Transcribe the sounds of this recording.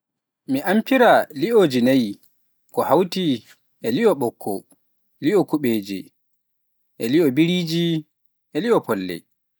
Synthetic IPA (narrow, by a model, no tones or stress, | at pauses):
miʔampiɾaliʔoːd͡ʒinaj | kɔhawti | ʔɛliʔɔɓɔkʰːɔ | liɔkuɓeːd͡ʒḭ | ʔɛliɔbiɾiːd͡ʒi | ɛliɔpɔlːɛ̰